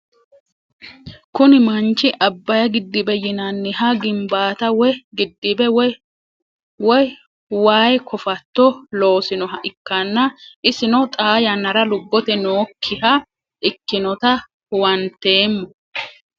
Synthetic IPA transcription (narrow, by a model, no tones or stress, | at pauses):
kʊnɪmɐnt͡ʃːɪʔɐbːɐjɐɡɪd̪ːɪbɛjɪnanːɪhɐɡɪmbaːt̪ɐwɛɡɪd̪ːɪbɛw | wɔj | waːjkʰɔfɐt̪ːɔlo̞ːsɪnɔɦɐʔɪkːɐnːɐʔɪsɪnɔt̪ʼaːjɐnɐɾɐlʊbːɔt̪ɛnoːkʰːɪhɐ | ʔɪkːɪnɔt̪ɐ | wɐnt̪ːe̞ːmːɔ